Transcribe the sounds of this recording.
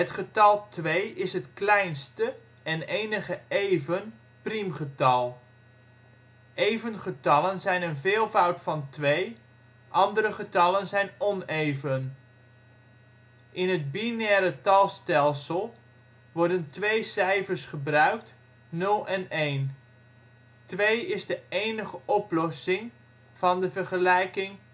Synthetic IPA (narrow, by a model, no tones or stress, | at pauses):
ɦətχətɑlˠtʋejɪsɦətklɛjnstə | ɛnejnəχəejvən | primχətɑlˠ | ʔejvənχətɑlənzɛjnənvɪːlˠvʌwtfɑntʋej | ʔɑndəɾəχətɑlənzɛjnɔnejvən | ʔɪnɦəd̚binɛːɾətɑlˠstɛlˠsəlˠ | ʋɔɹdəntʋejsɛjfəɹsχəbrœɥk̚t | nɵlˠɛnejn | tʋejɪzdəejnəχəʔɔplɔsɪŋ | v̥ɑndəvəɹχəlɛjkɪŋ